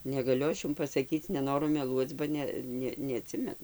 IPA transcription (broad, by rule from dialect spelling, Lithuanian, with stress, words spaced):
nʲɛɡɐˈlʲʊ ˈɐʃ ˈjʊm pɐsɐˈkʲiːt͡s nʲɛˈnoːrʊ mʲɛˈlˠuɔt͡s bɐ ˈnʲɛ ˈnʲɛ nʲɛɐˈtʲsʲɪmʲɛnʊ